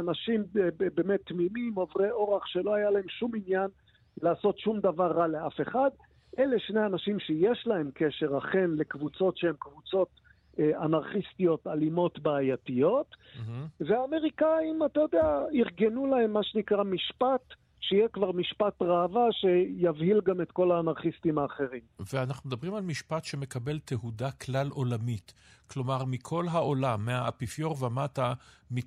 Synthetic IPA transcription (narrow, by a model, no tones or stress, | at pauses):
anaʃimbemet̪ːmimimovʁeʔo̞ʁaχʃe̞lo̞ajalae̞mʃuminjan | laːso̞tʃumd̪avaʁːaleafe̞χad̪ | ʔele̞ʃnejanaʃimʃejeʃlae̞mkeʃe̞ʁaχe̞nle̞kvut͡so̞tʃehemkvut͡so̞t̪ | anaʁχist̪ijo̞talimo̞tbaːjatijo̞t̪ | veaːme̞ʁikaimatajo̞d̪eaiʁɡenulahemːaʃenikʁamiʃpat̪ | ʃejekvaʁmiʃpat̪ʁaːvaʃe̞javhilɡamet̪ko̞laːnaʁχist̪imaːχe̞ʁimveanaχnumd̪abʁimalmiʃpat̪ʃeme̞kabe̞lt̪ʰehud̪aklalʔo̞lamit̪ | klo̞maʁmikʰo̞lɦaʔo̞lamːeaːpifjoʁveamatami